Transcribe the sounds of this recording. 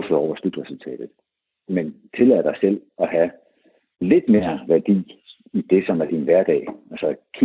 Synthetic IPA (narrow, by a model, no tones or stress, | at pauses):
føɒ̰ʊ̰ɐsl̥yd̥ʁɛsult͡sʰɛ̰ːd̥ð̩ˠ | ment͡sʰe̝lɛð̰ˠɐd̥ɑ̈ɪsel̰ | ɒ̽ɦæ | le̝d̥me̝ːɐʋæɐd̥ḭː | id̥e̝sɒ̽mæɐd̥inʋæɐd̥ɛ̰ːælsɒkʰi